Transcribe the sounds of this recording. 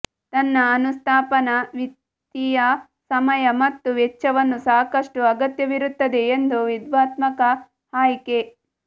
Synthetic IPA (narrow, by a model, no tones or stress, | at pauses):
t̪ɐnːɐːnust̪ʰaːpɐnɐʋi | t̪ːijɐ | sɐmɐjɐmɐt̪ːuʋɛt͡ʃːɐʋɐnːusaːkɐʂʈuɐɡɐt̪jɐʋiɾut̪ːɐd̪e̞ːnd̪uʋid̪ʋaːt̪mɐkɐ | haːjike